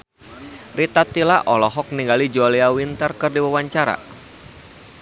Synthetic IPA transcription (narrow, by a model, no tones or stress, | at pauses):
rit̪at̪ilaʔɔlɔɦɔk̚niŋɡalid͡ʒɔliawint̪ərkɨrdiwawaɲt͡ʃaɾa̰